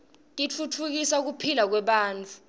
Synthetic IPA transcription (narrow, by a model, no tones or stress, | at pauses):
tʼit͡fʰut͡fʰuk̬isauk̬upʰilak̬wɛɓaːnt͡fʰʼu̥